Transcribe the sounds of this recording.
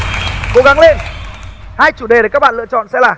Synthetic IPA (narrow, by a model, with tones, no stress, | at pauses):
ko˨˦ɣa˨˦ŋle˧n | haː˧jt͡ɕu˧˩ɗe˨˩ɗkaː˦˥k̚ɓaː˧˨lɨ̰˧˨ət͡ɕɔ̰˧˨nsɛ̰˧˥laː˨˩